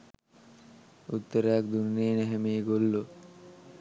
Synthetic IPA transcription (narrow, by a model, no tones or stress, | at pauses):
ut̪ːəɾəjak̚d̪unneːnɛɦemeːɡolːo